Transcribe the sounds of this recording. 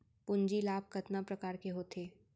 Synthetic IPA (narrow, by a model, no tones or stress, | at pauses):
pʊɲd͡ʒilaːb̚kɐt̪napɾɐkaːɾkeɦoːt̪ʰeː